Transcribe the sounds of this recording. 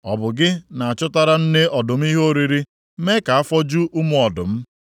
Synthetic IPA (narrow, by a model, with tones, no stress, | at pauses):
ɔ̰˨bʊ˨ɡɪ˦na˨a˨t͡ʃʊ˦ta˦ɾa˦n̩˦ne˦ʔɔ˨dʊ˨m̩˦i˦ɦo˦ɾi˨ɾi˦ | me˦ka˨a˦fɔ˦d͡ʒu˦ʔu˦mʊ˨ɔ˨dʊ˨m̩˦